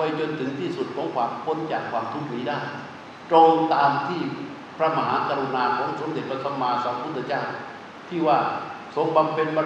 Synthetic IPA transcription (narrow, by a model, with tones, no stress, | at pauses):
a˧jt͡ɕo˧nt̪ʰɯ˩˦ŋt̪ʰiː˥˩su˨˩t̪̚kʰɔː˨˦ŋkʰwaː˧mkʰo˧˥˨nt͡ɕaː˨˩kʰːwaː˧mt̪ʰu˦˥˩k̚miː˨˦daː˥˩j | t̪ɾoː˧ŋt̪aː˧mt̪ʰiː˥˩ | pʰɾa˦˥ma˧ɦaː˩˦˥kaː˧ɾu˧naː˧kʰɔː˩˦ŋso˨˦md̪e˨˩t̪̚pʰa˧t̪ʰa˧mːaː˧sɔː˨˦ŋpʰu˥˩t̪ʰːt͡ɕaː˥˩w | t̪ʰiː˥˩waː˥˩ | so˧ŋba˧mpʰe˧nbɔ˧